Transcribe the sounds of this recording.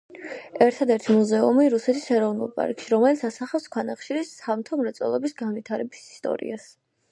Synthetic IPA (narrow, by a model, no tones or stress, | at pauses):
ɛɾt̪ʰad̪ɛɾt̪ʰimuzɛumiɾusɛt̪ʰisɛɾɔvnṵlˠpʼa̰ɾkʼʃiɾɔmɛlit̪sʰasaχafskʰwanaχʃiɾisamt̪ʰɔmɾɛt̪sʼɔ̰lˠɔbisɡanvit̪ʰaɾɛbisi̥st̪ʼɔ̰ɾḭas